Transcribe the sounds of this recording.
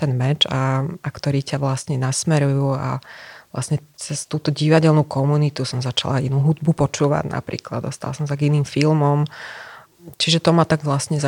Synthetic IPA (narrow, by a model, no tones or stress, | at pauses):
t̪ɛnmɛd͡ʒaakt̪ɔɾiːcaʋlasɲɛnasmɛɾujuːa̰ʋlʔa̰sɲɛt͡sɛst̪uːt̪ɔɟiʋaɟɛlnuːkɔmunit̪usɔmzat͡ʃa̰lainuːɦud̪̚bupɔt͡ʃuːʋa̰ɟna̰pɾḭːklad̪ɔst̪a̰la̰sɔmsaɡiniːmfilmɔm | t͡ʃiʒɛt̪ɔmat̪aɡʋlasɲɛza